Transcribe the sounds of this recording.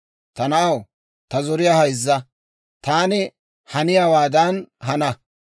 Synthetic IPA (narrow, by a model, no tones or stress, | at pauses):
t̪ɐnɐʔɐw | t̪ɐzɔɾɪjahɐjzːɐ | t̪aːnɪ | hɐnɪjaːwaːd̪ɐnɦɐnɐ